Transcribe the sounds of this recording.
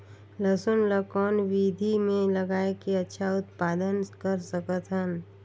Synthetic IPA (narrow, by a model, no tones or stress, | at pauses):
ləsʊnləkɔːnʋid̪ʱimẽləɡaːekeɐtːʃʰaʊt̪paːd̪ənkəɾsəkət̪ɦən